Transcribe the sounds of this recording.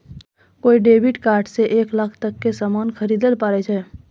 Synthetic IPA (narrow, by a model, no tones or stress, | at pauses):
koːiɖeːbʱiʈkaːɾʈseʔeːklaːkʰt̪əkːesaːmaːnxʰəɾiːd̪əlpaːɾet͡ʃʰɛː